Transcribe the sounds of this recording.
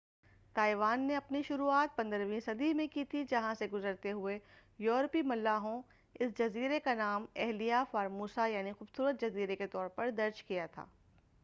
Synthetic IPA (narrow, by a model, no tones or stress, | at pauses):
t̪aːiʋaːnːeɐpniʃʊɾuaːt̪̚pɐ̃nd̪əɾʋĩːnsɐd̪imẽkiːt̪ʰid͡ʒɐɦãseɡʊzəɾt̪eɦʊe | jɔːɾpimɐlːaːɦõ | ɪsd͡ʒɐziːɾekanaːmɛɦlijafaːɾmuːsajaːnixuːbsuːɾət̪̚d͡ʒɐziːɾeket̪ɔːɾpɐɾd̪ɐɾd͡ʒkijat̪ʰa̰ː